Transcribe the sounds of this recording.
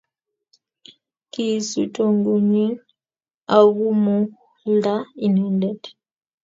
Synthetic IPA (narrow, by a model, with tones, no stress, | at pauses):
kʼi˦su˨tʼo˨ŋɡu˨ɲi˦ | a˨ɣu˦mu˦ | lda˦i˨nɛ˦ndɛ˨d